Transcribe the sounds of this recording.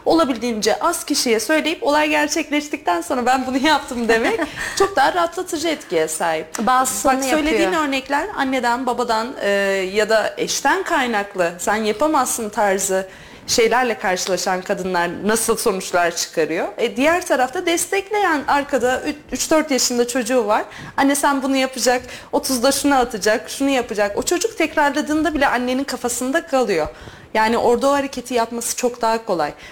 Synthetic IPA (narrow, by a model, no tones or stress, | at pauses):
o̞lˠabilʲd̪iːnd͡ʒɛʔazcʰiʃijɛsø̞jlʲe̞jipo̞lˠajɟæɾt͡ʃʰɛclʲɛʃt̪ic̚t̪ʰænso̞nɾabænbunujap̚t̪ʰɯmd̪e̞mɛct͡ʃʰo̞k̚d̪aːaɾaat̪lˠat̪ʰɯd͡ʒɯɛt̪cijɛsaːɦip̚babak̪ssø̞jlʲe̞iːnø̞ɾnɛclʲæɾa̰nːe̞d̪ænbabad̪anɯːjad̪aɛʃt̪ʰænkʰajnaklˠɯsænjapʰamasːɯnt̪ʰaɾzɯ | ʃe̞jlʲæɾlʲɛkʰaɾʃɯlˠaʃankʰad̪ɯnlˠaɾnasɯlˠso̞nut͡ʃlˠaɾt͡ʃʰɯ̥kʰaɾɯjo̞ɛd̪ijæɾt̪ʰaɾaft̪ʰad̪ɛst̪ʰɛclʲe̞jænaɾkʰad̪ayt͡ʃd̪øɾt̪jaʃɯnd̪at͡ʃʰo̞d͡ʒuːvaɾ̥ | hanːɛsænbunujapɯd͡ʒako̞t̪ʰuzd̪aʃunaat̪ʰɯd͡ʒakʃunujapɯd͡ʒako̞t͡ʃʰo̞d͡ʒuk̚t̪ʰɛcɾaɾlˠad̪ɯːnd̪abilʲɛʔanːe̞ninkʰafasɯnd̪akʰalˠɯjo̞ | jaːniʔo̞ɾd̪aohaɾecʰe̞t̪ʰijapmasɯ̥t͡ʃʰo̞kd̪aɦakʰo̞lˠaj